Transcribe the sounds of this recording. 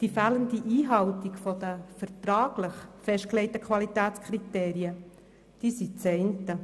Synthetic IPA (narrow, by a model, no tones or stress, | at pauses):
d̥ifæːləndiʔiːɦɑwtikfɔd̥əfəɾt̪ɾɑːɡ̥lɪχfɛʃt̚klɛɪtəkʰwɑlitæːtt͡skʰɾiteːɾiə | d̥iːsit͡sɛɪntə